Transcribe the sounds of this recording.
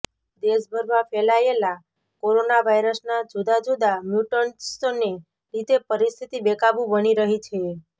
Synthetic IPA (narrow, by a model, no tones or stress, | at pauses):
d̪esbʱəɾmãfɛlaela | koɾonaʋajɾəsnad͡ʒud̪ad͡ʒud̪amjuʈənsone | ɾit̪epəɾist̪ʰit̪ibɛkabũbəniɾəɦit͡ʃʰe